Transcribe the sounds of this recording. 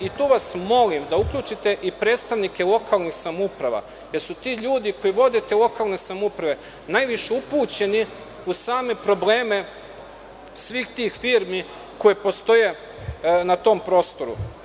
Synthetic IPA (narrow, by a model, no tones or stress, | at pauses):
it̪uːʋasmo̞limd̪aukʎuːt͡ʃit̪e̞ʔipɾe̞ːt̪st̪aʋnike̞lˠo̞kalˠnixsamupɾaʋa̰ | je̞ɾsut̪iʎuːd̪iko̞jiʋo̞d̪et̪elˠo̞kalˠne̞samupɾaʋe̞ | najʋiʃeupuːt͡ɕe̞ni | usaːme̞pɾo̞bleːme̞ | sʋiːxt̪iːxfiːɾmi | ko̞jepo̞st̪o̞je̞ | nat̪o̞mpɾo̞ːst̪o̞ɾṵ